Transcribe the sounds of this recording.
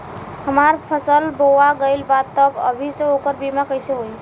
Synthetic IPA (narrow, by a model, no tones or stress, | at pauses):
həmaɾpʰəsəlboaɡəɪlbat̪ːəbə̰bʱisẽokəɾbimakəɪsẽɦoj